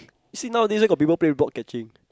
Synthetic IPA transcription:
jusinãʊwdiswekɔfpipəlplebɔk̚kɛt͡ʃɪ̃ŋ

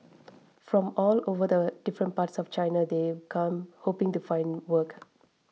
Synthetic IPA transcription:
fɾɔ̃mɔːloːʋəd̪əɖ̥ɪfɾə̃ɳʈ̚paːʈsɔft͡ʃaɪnad̪eːkʰʌ̃mhoːpɪ̃ŋʈufãɪ̃nwəːk

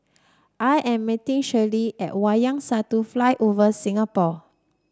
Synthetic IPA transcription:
ʔajʔɛ̃mːitĩŋʃəliʔɛ̰t̚wajãŋsatuflajʔovəsĩŋapɔ

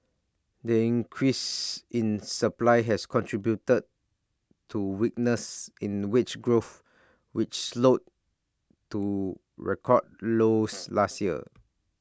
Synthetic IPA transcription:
dəĩŋkʰɹisĩnsəplaɪɦɛskʰɔ̃ntʰɹibjutəd̚ | tʰːuwik̚nəsĩnwit͡ʃɡɹoθ | wit͡ʃslot̚ | tːu | ɹɛ̰kʰɔ̰d̚loslastjiə̰

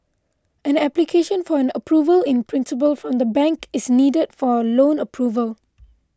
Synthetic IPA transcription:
ɛ̃nɛplikʰeʃə̃nfɔɛ̃nəpʰɹuːvəlɪ̃npʰɹɪ̃nsɪp̬əlfɹɔ̃md̪əbɛ̃ŋkɪsniːdədfɔlõnəpʰɹuvəl

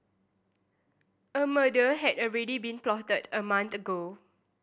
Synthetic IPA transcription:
əmədəɦɛdɔlɹɛdibĩnplɔtədəmãnt̪əɡo

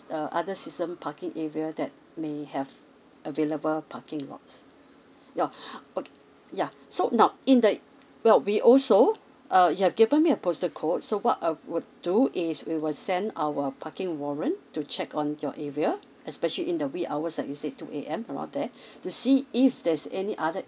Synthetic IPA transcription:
əʔa̰dəsistə̃mpʰakɪ̃ŋɛɹiədɛt̚ | mehɛv | ʔəveləbəlpʰakɪ̃ŋlɔ̰k̚s | jaok | ja | sonãʊĩndə | wɛlwiʔɔlso | ʔʌjuhɛvɡivə̃nmiəpʰostəkʰot̚sowɔtaɪwud̚duʔɪswiwɪlsɛ̃nawəpʰakɪ̃ŋwɔɹə̃ntut͡ʃʰɛkɔ̃njɔ̰ʔɛɹia | ʔɛspɛʃəliʔĩndəwikaʊwəslaɪk̚jusetuʔḛʔɛ̃mɹã̰ndɛtusiɪfdɛsɛniʔadə

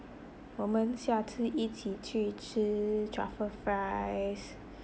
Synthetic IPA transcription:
wɔmənɕjat͡s̩ʰʔit͡ɕʰit͡ɕʰyʈ͡ʂ̩ʰd͡ʒa̰fəfɹaɪs

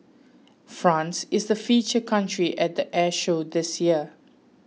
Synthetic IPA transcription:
fɹãnsɪsdəfiːt͡ʃəkʰãntɹiʔɛt̚d̪əʔɛʃodɪsjiə

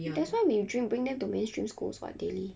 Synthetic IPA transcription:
dɛtswaɪwidɹĩmbɹĩŋdɛ̃mtumẽnstɹḭ̃mskṵlsba̰t̚deli

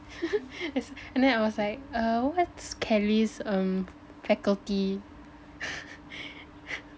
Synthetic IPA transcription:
ɛsɛ̃ndɛ̃naɪwɔslaɪk̚ʌwɔtskʰɛlisʌ̃m | fɛkəlti

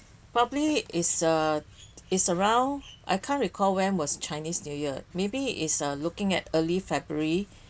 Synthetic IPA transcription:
pɹɔbəbliɪtsə | ɪtsəɹãʊ̃nʔa̰jkʰãntɹikʰɔlwɛ̃nwɔst͡ʃaɪnisnjujəmebiʔḭtsʌlukɪ̃ŋɛtəlifɛbɹəɹi

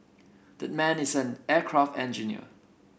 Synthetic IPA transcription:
dɛt̚mɛ̃nɪsɛ̃nɛkʰɹaftɛ̃nd͡ʒinḭə̰

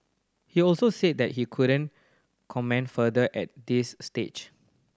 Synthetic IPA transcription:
hiɔlsoset̚dɛt̚hikʰuɾə̃n | kʰɔmɛ̃ndfədəʔɛt̚disːtet͡ʃ

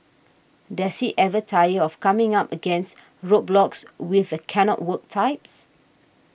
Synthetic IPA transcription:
dɛshiʔɛvətʰajəɔfkãmɪ̃ŋapəɡɛ̃nst | ɹot̚blɔkswɪθəkʰɛnɔ̰ʔ̚wək̚tʰaɪp̚s

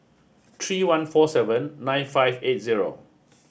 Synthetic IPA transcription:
t̪ʰɹiːwãnfɔsɛvə̃nːãj̃nfajvet̚ziɹo̰

